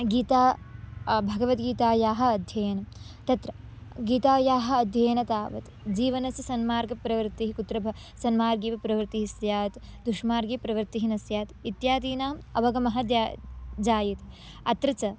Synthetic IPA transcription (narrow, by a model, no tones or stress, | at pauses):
ɡiːt̪aː | bʱɐɡɐʋɐt̪ɡiːt̪aːjaːɦɐ̆ɐd̪ʱjɐjɐnɐt̪ɐt̪ɾɐ | ɡiːt̪aːjaːɦɐ̆ɐd̪ʱjɐjɐnɐt̪aːʋɐ̰t̪ | d͡ʒiːʋɐnɐsɐsɐnmaːɾɡɐpɾɐʋɐɾt̪iɦikut̪ɾɐbʱɐ | sɐnmaːɾɡiːʋɐpɾɐʋɾt̪iɦisjaːt̪d̪uʃmaːɾɡipɾɐʋɐɾt̪iɦinɐsjaːt̪it̪jaːd̪iːnaːmɐbɐɡɐmɐɦɐd͡ʒd͡ʒaːjit̪ | ɐt̪ɾɐt͡ʃɐ